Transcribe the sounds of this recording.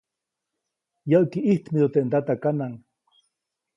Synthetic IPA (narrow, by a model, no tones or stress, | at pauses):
jawkiʔiht̪mid̪ot̪ent̪at̪akanaŋ